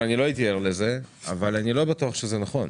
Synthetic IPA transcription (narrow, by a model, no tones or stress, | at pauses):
anilo̞it̪̬ieʁleze̞a̰valanilo̞batuaχʃezenaχo̞n